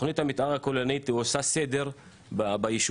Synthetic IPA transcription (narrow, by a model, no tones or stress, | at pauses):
χnit̪hamit̪ʔaʁakolonit̪osased̪e̞ʁ | babajiʃ